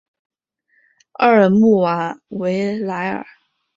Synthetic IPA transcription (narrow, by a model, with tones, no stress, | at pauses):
ə˥˧˩ə˨˩mu˥˩wa˧˥˦we˧˥ɪla˧˥ɪə̰˞˨˩˦